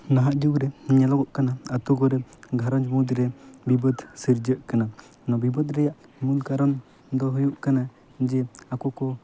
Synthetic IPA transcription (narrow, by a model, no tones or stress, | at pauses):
naɦaʔd͡ʒuɡɾɛɲɛlɔɡɔʔkanaat̪ɔɡɔɾɛɡʱaɾɔnd͡ʒɔmud̪ɾɛbibəd̪səɾd͡ʒəʔkana | nɔbibəd̪ɾɛjaʔmulkaɾam | d̪ɔɦujuʔkana | d͡ʒɛakɔkɔ